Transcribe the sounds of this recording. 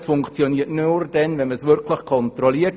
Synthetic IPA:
sfʊŋkt͡sjɔniːətnurd̥ɛnvɛnməsvɪɾkʰlɪxkʰɔntrɔliːət

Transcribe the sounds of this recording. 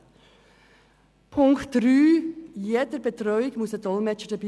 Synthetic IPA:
pʰʊŋktɾyːjeːdəbetɾɔʏɪkmusədɔlmɛt͡ʃədəbi

